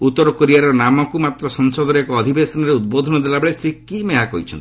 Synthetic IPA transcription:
ut̪ːɔɾɔkɔɾiaɾɔnamɔkumat̪ɾɔsɔŋsɔd̪ɔɾeekɔːd̪ʱibesɔnɔɾeud̪̚bod̪ʱɔnɔd̪elabeɭesɾikːimeɦakɔ̰ɦit͡ʃʰɔ̰nt̪i

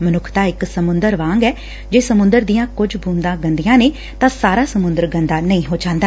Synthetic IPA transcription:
mənʊkʰt̪aːɪksəmʊnd̪əɾʋãːŋɡɛː | d͡ʒeːsəmʊ̃nd̪əɾd̪ijãːkʊd͡ʒbuːnd̪ãːɡənd̪ijãːneː | t̪ãːsaːɾaːsəmʊ̃nd̪əɾɡənd̪aːnəĩːɦoːd͡ʒãːnd̪aː

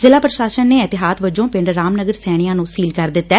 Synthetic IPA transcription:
zɪlaːpɾəʃaːʃənːeːɪt̪ɪɦaːt̪ʋəd͡ʒõːpɪɳɖɾːaːmnəɡəɾsɛːɽ̃ijãːnũːsiːlkəɾd̪ɪt̪ːɛː

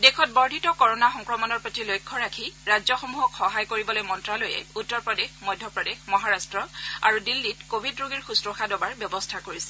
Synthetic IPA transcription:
dɛkʰɔt̚bɔɹdʱitɔkɔɹɔnaxɔŋkɹɔmɔnɔɹpɹotilojkʰːɔɹakʰiɹajzɔxomuɦɔkxɔɦajkoɹibɔlojmɔntɹalojɛ̰utːɔɹpɹɔdexmɔjdʱjɔpɹɔdexmɔɦaɹastɹɔaɹudilːitkobʱidɹuɡiɹxustɹoxadɔbaɹbjɔbɔstʰakoɹisɛ̥

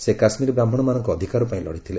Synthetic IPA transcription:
sekasmiɾɔbɾambʱɔɽ̃ɔmanɔŋkɔːd̪ʱikaɾɔpaĩlɔ̰ɽit̪ʰile

